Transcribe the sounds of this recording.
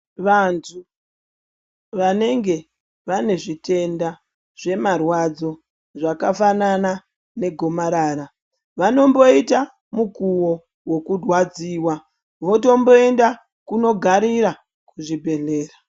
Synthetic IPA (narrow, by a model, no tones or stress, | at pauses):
ʋantʰu | ʋane̞ŋɡe̞ | ʋane̞ʐite̞nda | ʐe̞marwad͡zo̞ | ʐakafanana | ne̞ɡʱo̞maɾaːɾa | ʋano̞mbo̞ita | mukuwo̞ | wo̞kudwad͡ziːwa | ʋo̞to̞mbo̞e̞nda | kuno̞ɡʱaɾiɾa | kuʐibʱe̞ɮe̞ːra